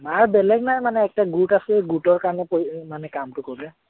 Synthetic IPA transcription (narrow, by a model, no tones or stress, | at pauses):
maɹbɛlɛɡnajmanɛːk̚taɡutasɛɡutɔɹkaɹɔnɛpomanɛkamtʊkoɹlɛ